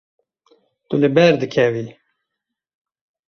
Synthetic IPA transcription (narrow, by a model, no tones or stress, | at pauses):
t̪ulɨbɛɾd̪ɨkʰɛvi